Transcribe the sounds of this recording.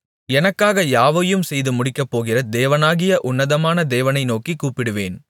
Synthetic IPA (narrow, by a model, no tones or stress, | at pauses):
ɛnɐkːaːɣɐjaːʋɐjɯmsɛjðɯmʊɽɪkːɐpːoːɣɪrɐd̪eːʋɐnaːɣɪjɐʔʊnːɐðɐmaːnɐd̪eːʋɐnɐɪnoːkikːuːpːɪɽɯʋeːn